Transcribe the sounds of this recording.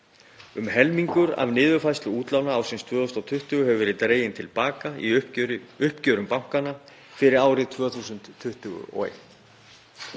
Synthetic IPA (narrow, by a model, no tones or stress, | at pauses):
ʏmɦɛlmiŋkʏɾa̰vnɪːðʏfajst̪lʏuːt̪lawnaaːwsɪnst̪ʰvœːɔst̪awt̪ʰʏht̪ʏɣʏhɦɛvʏvɛɾɪt̪ɾeːjɪnt̪ʰɪlpaːkaḭ | ʏhpcœːɾʏmpawŋ̥kanːa | fɪɾɪɾaːwɾɪt̪ʰvœːθusʏnt̪ʰːʏht̪ʏɣʏ̰ʔɔ̰ḛjht̪